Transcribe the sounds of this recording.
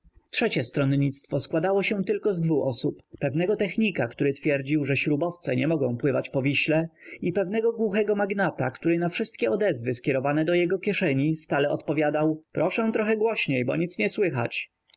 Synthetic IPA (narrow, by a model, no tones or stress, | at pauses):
tʂɛt͡ɕɛst̪ɾɔnɲit̪st̪fɔskwad̪awɔɕɛ̃t̪ɘlkɔzd̪vuʔɔsupːɛvnɛɡɔt̪ɛxɲikakt̪uɾɘt̪fʲjɛɾd͡ʑiwʐɛɕɾubɔft̪sɛɲɛmɔɡɔ̃w̃pwɘvat͡ɕpɔvʲiɕlɛipɛvn̪ɛɡɔɡwuxɛɡɔmaɡnat̪a̰kt̪uɾɘnafʂɘst̪̚kʲɛɔd̪ɛzvɘskʲɛɾɔvanɛd̪ɔjɛɡɔkʲjɛʂɛɲist̪alɛɔt̪pɔvʲjad̪awpɾɔʂɛ̃w̃t̪ɾɔxɛɡwɔɕɲejbɔɲit̪sɲɛswɘxa̰t͡ɕ